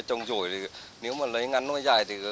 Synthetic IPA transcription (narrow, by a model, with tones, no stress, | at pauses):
t͡ɕɔ˧wŋ͡mzo̰˧˩jt̪ʰi˨˩ne˨˦wmaː˨˩lə˨˦jŋa˨˧˦nːɔ˧˥˦jza̰ː˧˩jt̪ʰi˨˩